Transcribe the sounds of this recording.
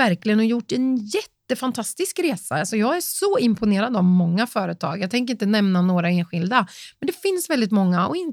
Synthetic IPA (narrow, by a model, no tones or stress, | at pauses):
æɾklɪɡənɔjʊʈːɛnjɛt̪ːəfant̪ʰast̪ɪskɾeːsa̰alsɔjɑːɡæsɔɪmpʰʊneːɾad̪əavmɔŋːafœːɾət̪ʰɑ̰ːɡjɑːɡt̪ʰɛŋkəɾɪnt̪̬ənɛmnanoːɾaeːnɧɪld̪amɛnd̪ɛfɪnsvɛld̪ɪt̪mɔŋːaɔ̰ɪn